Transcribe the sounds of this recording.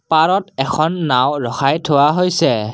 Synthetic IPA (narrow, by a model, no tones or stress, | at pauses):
paɹɔtɛkʰɔnːawɹɔxajtʰowaɦojsɛ